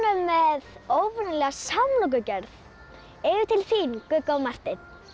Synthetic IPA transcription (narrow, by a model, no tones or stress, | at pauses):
nʏmːɛðoːwvʏɾnɪlɛɣasamlɔk̬ʏcœɾθ | ɛjʏt̪ʰɪlθinkʏkːawmar̥t̪ɪn